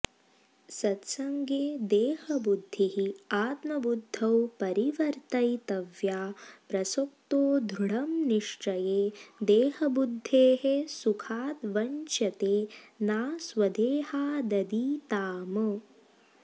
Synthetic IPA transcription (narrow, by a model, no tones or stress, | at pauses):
sɐt̪sɐŋɡeːd̪eːhɐbud̪ʱːiɦiaːt̪mɐbud̪ʱːɐwpɐɾiʋɐɾt̪ɐjt̪ɐʋjaːpɾɐsok̚t̪oːd̪ʱɾuɽɐmniʂʈ͡ʂɐjeːd̪eːhɐbud̪ʱːeːɦesukʰaːt̪ʋɐnt͡ʃɐt̪eːnaːsʋɐd̪eːhaːd̪ɐd̪iːt̪aːmə